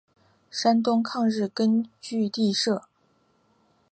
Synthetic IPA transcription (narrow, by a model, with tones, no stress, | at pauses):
ʂa˥nt̪ʊ˥ŋkʰɑ˥˧ŋɻɻ̩˥˩kə˥nt͡ɕy˥˧t̪i˥˧ʂɤ˥˩